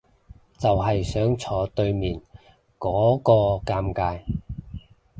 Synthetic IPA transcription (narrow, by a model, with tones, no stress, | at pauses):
t͡sɐ˨wɦɐ˨jsœː˨˥ŋt͡sʰɔː˨˥t̪ɵ˧ɥmiː˨n | kɔː˨˥kɔː˧kaː˧mkaː˧j